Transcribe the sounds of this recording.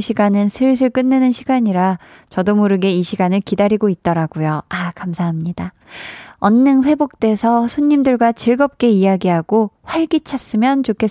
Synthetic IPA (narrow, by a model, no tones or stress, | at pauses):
ɕʰiɡanɯnsʰɯɭs̬ʰɯɭk͈ɯnːenɯnɕʰiɡaɲiɾa | t͡ɕʌdomuɾɯɡe̞iɕʰiɡanɯɭkidaɾiɡoit̚t͈ʌɾaɡ̥ojoakamsʰaɦamɲida | ʌnːɯŋɸwe̞bok̚t͈e̞sʰʌsʰoɲːimdɯɭɡwat͡ɕiɭɡʌp̚k͈e̞ijaɡiɦaɡ̥oɸwaɭɡit͡ɕʰas͈ɯmjʌnt͡ɕokʰe̞